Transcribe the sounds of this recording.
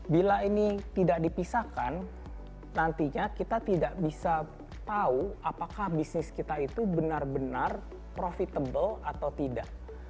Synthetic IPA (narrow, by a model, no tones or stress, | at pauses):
bilainit̪idaʔ̚dipisakanː | ant̪iɲakit̪at̪idaʔbisa | t̪auapakahbisnɪskit̪ait̪ubənarbənar | pɾofit̪abəlat̪awt̪ida̰ʔ